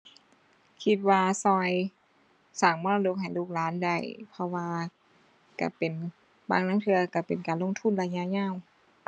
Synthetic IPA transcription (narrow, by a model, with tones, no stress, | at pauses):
kʰi˧t̪̚waː˧sɔː˧j | saː˨˩ŋmɔː˧˥˨la˧do˧˩k̚ɦa˨˩jluː˧˩k̚laː˦˥nda˧˩jpʰɔ˧waː˧ | ka̰˧˩pe˨˩n | baː˧˨ŋnaː˧˥˨ŋt̪ʰɯ˧ɐka˧˩pe˨˩nkaː˨nlo˧˨ŋt̪ʰu˧˥˨nla˧ɲa˧˨ɲaː˧˥˨w